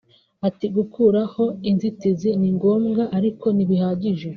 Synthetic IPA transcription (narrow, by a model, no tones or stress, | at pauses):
atiɡukʰuːɾaho̞inzitiziniŋɡo̞ːmɡaʔaɾiko̞niβihaːɟiʒe̞